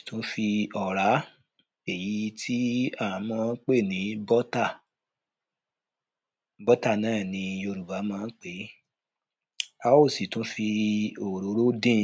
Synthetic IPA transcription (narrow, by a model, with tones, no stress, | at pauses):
tũ˨˦fi˧ɔ˨ɾa˨˦ | e˨ji˨˦tʰi˦a˦˨ã˨˦mɔ̃˧˦k͡pe˦˨nĩ˨˦bɔ˦ta˦˨ | bɔ˦ta˦˨nãː˦˨nĩ˧o˧ɾu˨ba˨˦mãː˨˦k͡pe˨˦ | a˨˧wo˦˨si˨tũ˨˦fi˧o˨ɾo˨˦ɾo˦dĩ˦